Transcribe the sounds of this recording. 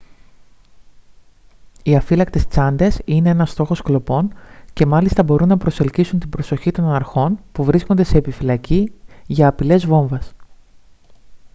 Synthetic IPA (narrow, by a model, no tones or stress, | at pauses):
iɐfilɐk̚t̪e̞st͡sɐnd̪e̞sine̞enɐst̪o̞xo̞sklo̞po̞nce̞mɐlist̪ɐbo̞ɾunːɐpɾo̞se̞lcisunt̪ibɾo̞so̞çit̪o̞nnɐɾxo̞npuvɾiskond̪e̞se̞ːpifilɐciʝɐːpile̞zvo̞ɱvɐs